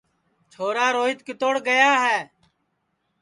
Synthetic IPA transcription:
t͡ʃʰoːɾaːɾoːɪt̪kɪt̪oːɽɡəjaːɦɛː

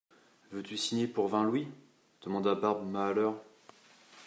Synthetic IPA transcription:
vøt̪ysiɲepuʁvɛ̃lwi | d̪̥əmɑ̃d̪abaʁbmaːlœʁ

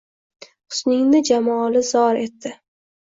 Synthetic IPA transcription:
qʰʊ̥snɪŋnɪd͡ʒamɒlɪzɒɾe̞t̪ːɪ

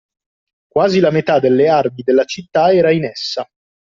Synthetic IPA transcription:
kwaːzilamet̪ad̪elːearmid̪elːat͡ʃit̪ːaɛːɾainɛsːa

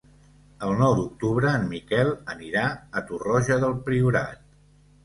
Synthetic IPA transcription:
əlˠnɔwd̪uk̚t̪uβɾəːnmikɛlˠəniɾaət̪urɔʒəðəlˠpɾiuɾa̰t̪̚

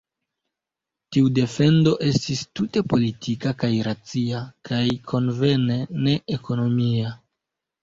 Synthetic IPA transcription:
tiude̞fe̞ndo̞ʔe̞stistute̞po̞litʰikakajɾat͡siakajkʰo̞nve̞ne̞ne̞eko̞no̞mia

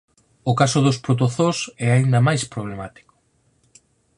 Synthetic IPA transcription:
ʊkasʊðospɾot̪̬oθosɛaind̪ɐmajspɾoβlemat̪i̥ko̥

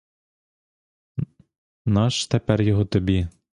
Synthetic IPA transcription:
nɑʃt̪ɛpæɾjɔɦɔt̪ɔbʲi

